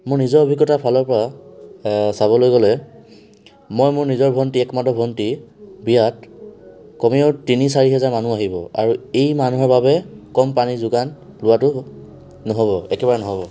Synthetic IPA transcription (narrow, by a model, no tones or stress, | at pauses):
mʊɹnizɔobʱiɡːɔtapʰalɔɹpɔɹa | saβɔlojɡɔlɛ | mojmʊɹnizɔɹbʱɔntiɛkmadɔbʱɔntibijat | kɔmiɔʊtinisaɹiɦɛzaɹmanuaɦibɔa̰ɹuejmanuɦɔɹbabɛkɔmpanizʊɡan | lʊwatʊː | ɔɦoβɔɛkɛbaɹɛnɔɦɔbɔ